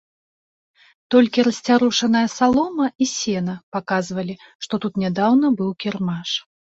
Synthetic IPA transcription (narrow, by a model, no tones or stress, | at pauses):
t̪ɔlʲkʲiɾɐsʲt͡sʲaɾuʂɐnɐjɐsalˠɔmɐisʲɛnɐpakazvɐlʲi | ʂt̪ɔt̪ut̪nʲɛd̪awn̪ɐbɨwkʲɛrmaʂ